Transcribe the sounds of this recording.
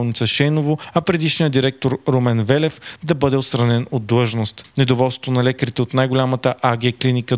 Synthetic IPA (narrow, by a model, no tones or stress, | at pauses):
lˠnit̪səʃɛjnovoɐpɾɛd̪iʃnijəd̪iɾɛk̚t̪oɾɾomɛnvɛlɛfd̪ɐbɤd̪ɛot̪st̪ɾɐnɛnod̪ːlˠɤʒnost̪nɛd̪ovɔlˠst̪o̥t̪onɐlɛkəɾit̪ɛot̪najɡolʲamət̪əʔaɡʲɛklinikə